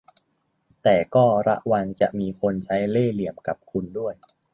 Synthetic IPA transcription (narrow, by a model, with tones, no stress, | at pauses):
t̪ɛː˨˩kɔː˥˩ɾa̰˦˥ʔwa˧ŋt͡ɕa̰˨˩ʔmiː˧kʰo˧nt͡ɕʰa˦˥jleː˥˩li˨˩əmka˨˩p̚kʰu˧ndu˥˩əj